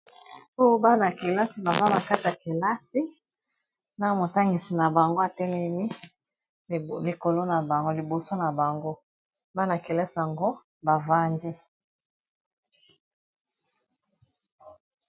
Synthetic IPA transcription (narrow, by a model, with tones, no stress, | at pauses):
o˦o˦ba˦na˨ke˨la˦si˨˦ba˨za˦na˨ka˦ti˨ja˨ke˨la˦si˦ | na˦mo˨ta˦ŋɡi˨si˨na˨ba˨ŋɡo˦a˨tɛ˦lɛ˦mi˦ | li˨ko˨lo˦na˨ba˨˦li˨bo˨so˦na˨ba˨ŋɡo˦ | ba˦na˨ke˨lɛ˦sa˨ŋɡo˦ | ba˨va˦ndi˦